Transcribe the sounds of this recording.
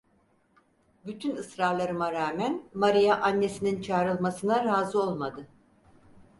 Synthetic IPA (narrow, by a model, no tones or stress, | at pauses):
byt̪ʰynɯsɾaɾlˠaɾɯmaɾaːmænmaɾijaʔanːe̞sinint͡ʃʰaːɾɯlˠmasɯnaɾaːzɯo̞lˠmad̪ɯ